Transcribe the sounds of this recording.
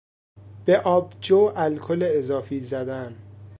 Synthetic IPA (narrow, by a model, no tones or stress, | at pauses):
b̥eʔɒːbd͡ʒoːʔælkʰoleːzɒːfiːzæd̪æn